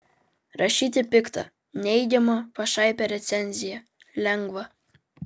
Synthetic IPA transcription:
ɾɐʃʲiːt̪ʲɪpʲɪkt̪ɐ̰ | nʲɛɪɡʲɛmopɐʃɑˑɪpʲɛɾʲɛt̪sʲɛnʲzʲɪjɛ | lʲɛŋɡʋɐ

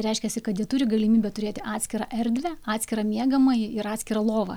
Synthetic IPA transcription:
ɾʲɛɪʃʲkʲɛsʲɪkɐt̪jiɛt̪uːɾʲɪɡɐlʲɪmʲiːbʲɛt̪ʊɾʲeːt̪ʲɪʔɑːt̪ʲsʲkʲɪɾɑʔɛɾʲd̪ʲʋʲɛɑːt̪ʲsʲkʲɪɾɑːmʲiɛɡɐmɐjɪɾɑːt̪ʲsʲkʲɪɾɐlˠoːʋɐ̰

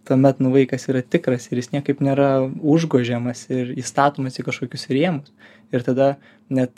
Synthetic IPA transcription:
t̪uɔmʲɛt̪nʊʋɐɪkɐsiːɾɐt̪ʲɪkɾɐsɪrjɪsnʲiɛkɐɪpnʲeːɾɐʊʒɡuɔʒʲɛmɐsɪɾiːst̪ɑːt̪oːmɐsikɐʃkoːkʲʊsɾʲiɛmʊs | ɪɾt̪ɐd̪ɐ | nʲɛt̪

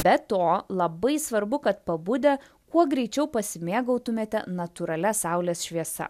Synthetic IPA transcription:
bʲɛt̪oːlˠɐbɐɪsʋɐɾbʊkɐt̪pɐbʊd̪ʲe | kuɔɡɾʲɛɪt͡ʃʲɛʊpɐsʲɪmʲeːɡɐʊt̪ʊmʲeːt̪ʲɛ̰nɐt̪ʊɾɐlʲɛsɑˑʊlʲeːsʃʲʋʲiɛsɐ̰

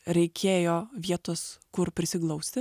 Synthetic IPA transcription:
ɾʲɛɪkʲʰeːjoːʋʲiɛt̪oːskʊɾpʲɾʲɪsʲɪklˠɐʊsʲt̪ʲɪ

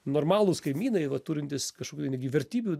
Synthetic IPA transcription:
noːrmɑːlˠʊskɐɪmʲiːnɐɪʋɐt̪uːɾʲɪnʲt̪ʲɪskɐʃkokʲut̪ɛɪnʲɛɡʲɪʋʲɛɾʲt̪ʲiːbʲu

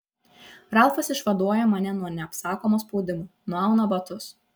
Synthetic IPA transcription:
ɾɑlˠfɐsɪʃʋɐd̪uɔjɛmɐnʲɛnuɔnʲɛɐpsɑːkoːmoːspɔʊd̪ʲɪmuːnuɔɑʊnɐbɐt̪ʊs

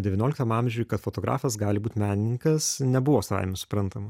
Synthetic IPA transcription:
d̪ʲɛʋʲɪnʲoːlʲɪkt̪ɐmɑmʲʒʲʊːjkɐt̪foːt̪oːɡɾʔɑ̰ːfɐsɡɑːlʲɪbuːt̪ʲmʲæːnʲɪnʲɪŋkɐsnʲɛbʊʋoːsɐʋa̰ɪmʲɛsʊ̥pɾɐnt̪ɐmɐ

